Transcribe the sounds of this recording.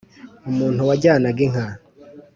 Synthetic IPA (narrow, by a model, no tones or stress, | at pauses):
umuːn̥huwaɟaːnaɡeŋ̥a